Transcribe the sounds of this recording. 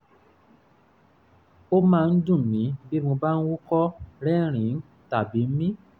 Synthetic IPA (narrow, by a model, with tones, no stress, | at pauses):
o˦mãː˦˧n̩˦dũ˦˨mĩ˨˦bi˦mõ˧ba˦n̩˦wu˦kɔ˦ɾɛ˦ɾ̃ĩ˨˦n̩˦ | ta˨bi˨˦m̩˦mĩ˦